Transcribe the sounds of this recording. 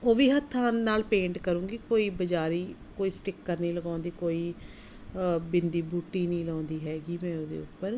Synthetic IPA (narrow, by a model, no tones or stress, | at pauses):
oːʋiːɦət̪ʰːaːnːaːlpẽːɳʈkəɾũːɡikoːiːbəd͡ʒaːɾiːkoːiːsʈɪkːəɾnĩːləɡãːnd̪iːkoːiː | bɪnd̪iːbuːʈːiːnĩːlãːnd̪iːɦɛːɡiːmɛ̃ːoːd̪ḛːʊpːəɾ